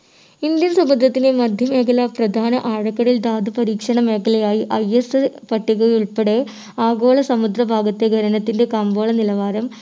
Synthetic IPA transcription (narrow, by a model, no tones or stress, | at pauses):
ind̪jɐnsɐmud̪ɾɐt̪ːinemɐd̪ʱjɐme̞ːkɐlɐprɐd̪ʱaːnɐʔaːɻɐkːɐɽild̪aːd̪ʱɐpɐɾiːkʂɐɳɐme̞ːkɐlejaːjiʔɐjesɨpɐʈːiɣɐuɭpeɽe | aːɡo̞ːɭɐsɐmud̪ɾɐbʱaːɡɐt̪ːeɡʱɐɾɐnɐt̪ːinde̞kɐmboːɭɐnilɐʋaːɾɐm